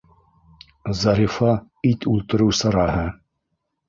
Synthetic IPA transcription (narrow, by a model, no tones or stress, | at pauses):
zɑɾifɑ | it̪ulˠt̪ɤ̆ɾɘwsɑɾɑɦɤ